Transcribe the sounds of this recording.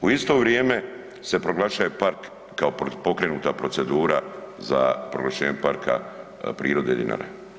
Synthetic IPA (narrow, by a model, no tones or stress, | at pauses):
uist̪o̞ʋɾjeːme̞ | se̞pɾo̞ɡlaʃaje̞paɾkː | aopo̞kɾe̞nuːt̪apɾo̞se̞d̪uːɾaza̰pɾoɡlˠaʃeːɲepaɾkʰa̰ | pɾiːɾo̞d̪e̞d̪ḭna̰ːɾḛ